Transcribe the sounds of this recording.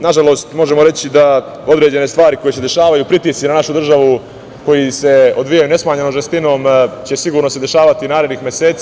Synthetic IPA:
naʒalo̞ːst̪mo̞ʒe̞mo̞ɾe̞t͡ɕid̪a | o̞d̪ɾe̞ːd͡ʑe̞ne̞st̪ʋaːɾiko̞jese̞d̪e̞ʃaːʋajupɾit̪iːsinanaʃud̪r̩ʒaʋu | ko̞jise̞o̞d̪ʋijajune̞smaːɲenoʒest̪ino̞ːmt͡ɕe̞siɡuːɾno̞se̞d̪e̞ʃaːʋat̪inaːɾe̞d̪nixmʲje̞seːt̪s

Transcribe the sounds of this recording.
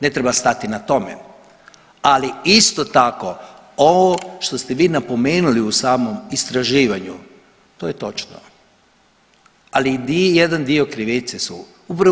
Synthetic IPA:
ne̞t̪ɾebast̪at̪inat̪o̞mḛ | aliist̪o̞t̪ako̞ | oʋoʃt̪o̞st̪eʋiːnapo̞meːnuliusaːmo̞mist̪ɾaʒiːʋaɲu | t̪o̞ːjet̪o̞t͡ʃno̰ | alid̪ijed̪and̪io̞kɾiʋit̪sesṵ | upɾa

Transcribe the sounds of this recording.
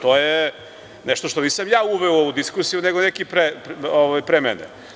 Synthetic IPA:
t̪oːje | nɛʃt̪o̞ʃt̪oniːsamjaːuʋeooud̪iskuɾsijuneɡonekipɾepoʋajpɾemɛ̰nḛ

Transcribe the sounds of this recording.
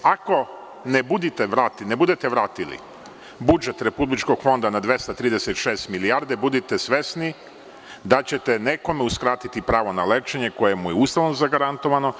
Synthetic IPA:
ako̞ | nebud̪it̪eʋɾaːt̪ine̞bud̪et̪e̞ʋɾaːt̪ilḭ | bud͡ʒe̞t̪ɾe̞publit͡ʃko̞ɡ̥fo̞nd̪anad̪ʋe̞st̪at̪ɾiːd̪eset̪ʃeːst̪miliaɾd̪ebud̪it̪e̞sʋe̞sni | d̪at͡ɕe̞t̪ene̞ko̞meuskɾaːt̪it̪ipɾaːʋo̞naleːt͡ʃe̞ɲeko̞jemujeust̪aʋnozaɡaɾant̪o̞ʋano̞

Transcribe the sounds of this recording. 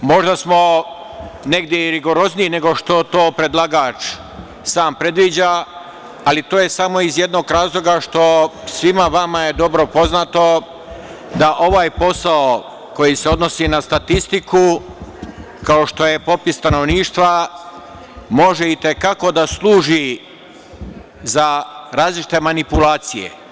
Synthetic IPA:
mo̞ʒd̪asmo̞ | ne̞ɡd̪ʲjeɾiɡo̞ɾo̞zniine̞ɡo̞ʃt̪o̞t̪o̞ːpɾe̞d̪lˠaɡaːt͡ʃ | saːmpɾe̞d̪ʋiːd͡ʑaː | lit̪oːje̞samo̞izje̞d̪no̞ːɡɾaːzlˠo̞ɡaʃt̪o̞sʋimaʋamajed̪o̞bɾo̞po̞znat̪o̞ | d̪aʔo̞ʋaːjpo̞sao | ko̞jise̞o̞d̪no̞sinast̪at̪ist̪iku | kao̞ʃt̪o̞je̞po̞pist̪ano̞ʋniːʃt̪ʋa | mo̞ʒe̞it̪e̞kako̞d̪aslˠuːʒi | zaɾaːzlit͡ʃi̥t̪e̞manipulaːt̪sijḛ

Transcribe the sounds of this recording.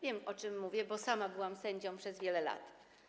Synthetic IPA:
vʲjɛmɔt͡ʂɘmːuvʲjɛbɔsamabɘwamsɛɲd͡ʑɔ̃w̃pʂɛzvʲjɛlɛla̰t̪

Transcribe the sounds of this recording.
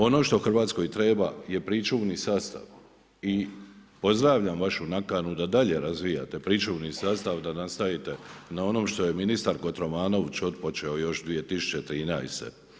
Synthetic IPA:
o̞no̞ːʃt̪o̞xr̩ʋaːt̪sko̞jt̪ɾe̞ːbaje̞pɾit͡ʃuːʋnisaːst̪a̰ʋ | ipo̞zd̪ɾaːʋʎamʋaʃunakanud̪ad̪aʎe̞ɾazʋija̰t̪e̞pɾit͡ʃuʋnisaːst̪aʋd̪anast̪aʋit̪e̞nao̞no̞ːmʃt̪o̞jeminist̪aɾko̞t̪ɾo̞maːno̞ʋt͡ɕo̞t̪po̞t͡ʃeo̞jo̞ʃd̪ʋije̞t̪isu̥t͡ʃt͡ɕe̞t̪ɾiːnajst̪e̞̰

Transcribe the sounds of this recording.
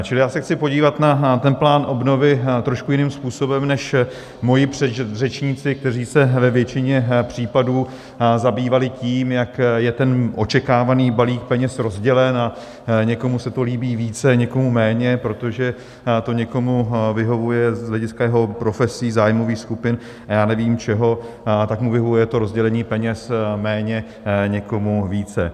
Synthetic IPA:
t͡ʃɪlɪjaːsɛxt͡sɪpo̞ɟiːvat̪nat̪ɛnplaːnʔo̞bno̞vɪt̪ɾo̞ʃkujɪnɪmspuːso̞bɛmnɛʃ | mo̞jɪpr̥ɛd̪rɛt͡ʃɲit͡sɪk̚t̪ɛriːsɛvɛvjɛt͡ʃɪɲɛpr̝̥iːpaduː | zabiːvalɪciːmjakjɛt̪ɛnʔo̞t͡ʃɛkaːvaniːbaliːk̚pɛɲɛsɾo̞zɟɛlɛna | ɲɛko̞musɛt̪o̞liːbiːviːt͡sɛɲɛko̞mumɛːɲɛpɾo̞t̪oʒɛ | t̪o̞ɲɛko̞muvɪɦo̞vujɛzɦlɛɟɪskajɛɦo̞pɾo̞fɛsiːzaːjmo̞viːxskupɪn | ajaːnɛviːmt͡ʃɛɦo̞ | t̪akmuvɪɦovujɛt̪o̞ɾo̞zɟɛlɛɲiːpɛɲɛsmɛːɲɛ | ɲɛko̞muviːt͡sɛ̰

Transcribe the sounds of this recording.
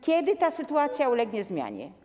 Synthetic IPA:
kʲjɛd̪ɘt̪asɘt̪uat̪sʲjaulɛɡɲɛzmʲja̰ɲɛ̰

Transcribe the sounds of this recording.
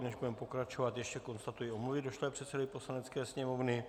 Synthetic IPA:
nɛʒbudɛmpo̞kɾat͡ʃo̞vat̪jɛʃcɛko̞nst̪at̪ujɪomluvɪdoʃlɛɛpr̥ɛt̪sɛdovɪposlanɛtt͡skɛːsɲɛmovnɪ

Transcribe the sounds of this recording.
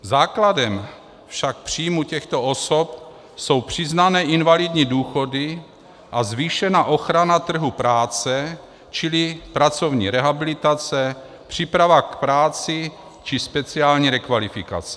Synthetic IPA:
zaːkladɛm | fʃak̚pr̝̥iːjmucɛxt̪o̞osop̚ | so̞wpr̝̥ɪznanɛːʔɪnvalidɲiduːxo̞dɪ | ʔazviːʃɛnaʔo̞xɾanat̪r̩ɦupɾaːt͡sɛ | t͡ʃɪlɪpɾat͡so̞vɲḭːɾɛɦabɪlɪt̪at͡sɛ | pr̝̥ipɾavakpɾaːt͡sɪ | t͡ʃɪspɛt͡siaːlɲiːɾɛkvalɪfɪka̰t͡sɛ̥

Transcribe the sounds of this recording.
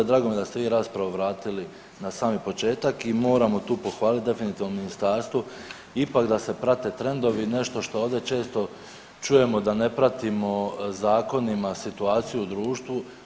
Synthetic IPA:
d̪ɾaːɡomjd̪ast̪e̞ʋiːɾaːspɾaʋoʋɾaːt̪ili | nasaːmipo̞t͡ʃe̞ːt̪akimo̞ːɾamo̞t̪uːpo̞xʋaːlit̪̚d̪e̞finit̪iːʋnominist̪aːɾst̪ʋu | ipakd̪ase̞pɾat̪e̞t̪ɾe̞nd̪o̞ʋine̞ʃt̪o̞ʃt̪o̞oʋd̪e̞t͡ʃe̞ːst̪o̞ | t͡ʃuje̞mo̞d̪ane̞pɾat̪imo̞zaːko̞nimasit̪uaːt̪sijuud̪ɾuːʃt̪ʋu

